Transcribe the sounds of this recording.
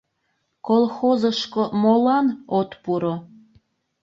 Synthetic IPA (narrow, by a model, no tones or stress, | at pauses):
kolˠxozəʃkomolɑnot̪puɾo